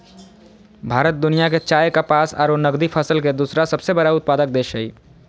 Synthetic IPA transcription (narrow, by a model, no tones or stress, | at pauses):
bʱaːɾət̪̚d̪ʊnijaket͡ʃaːjkapaːsa̰ːɾonɐɡd̪ipʰəsəlked̪uːsɾasɐbsebɐɾaʊt̪̚paːd̪ək̚d̪eːʃəḭː